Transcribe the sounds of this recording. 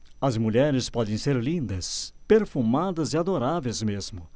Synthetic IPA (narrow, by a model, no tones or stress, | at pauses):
ɐzmuʎɛɾɪspɔd̪ẽj̃seɾlĩnd̪ɐspeɾfumad̪ɐzɪad̪oɾavejzmezmʊ